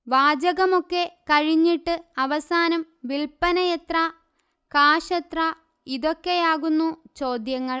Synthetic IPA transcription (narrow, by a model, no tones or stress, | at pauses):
ʋaːd͡ʑɐɣɐmo̞kːe̞kɐɻiɲːiʈːɨɐʋɐsaːnɐm | ʋilpɐnɐjɐt̪ra | kaːʂɐt̪ra | iðo̞kːe̞jaːɣunːut͡ɕo̞ːd̪jɐŋːɐɭ